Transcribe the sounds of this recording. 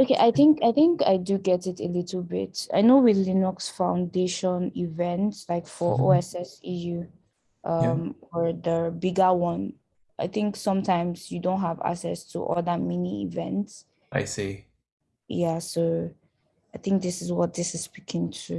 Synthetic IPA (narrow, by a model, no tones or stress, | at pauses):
okʰeʔaɪθɪ̃ŋkaɪθɪ̃ŋka̰ɪdɨɡɛtɪtəlɪtʰl̩ˠbɪ̰ta̰ɪnowɪlinɔksfãʊ̃ndeʃɔ̃nivɛ̃ntslaɪkfɔʔo̰ɛsɛsiju | ʔʌmwə˞ðəbɪɡəwʌ̃n | ʔaɪθɪ̃ŋksʌ̃mtʰãɪ̃mz̥jɨdõʊ̃ntɦəva̰ksɛ̰stʰṵʔɔ̰lˠðəmɛniḭvɛ̃nts | ʔa̰ɪse | jæso | aɪθɪ̃ŋk̚ðɪsɪzwɔt̚ðɪsɨz̥spikʰɪ̃ŋtʰu